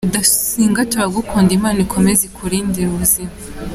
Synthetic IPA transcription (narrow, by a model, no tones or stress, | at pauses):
dasiːŋɡatoɾaɡukʰuːndimaːnikʰo̞mezikʰuɾiːndiɾuβuzima